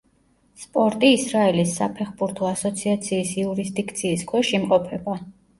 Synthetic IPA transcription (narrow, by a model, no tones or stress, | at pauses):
spʼɔɾt̪ʼiːsɾaɛlisːapʰɛχbuɾt̪ʰɔasɔt̪sʰiat̪sʰiːsiuɾis̬d̪ikʰt̪sʰiːskʰwɛʃimqʼɔpʰɛba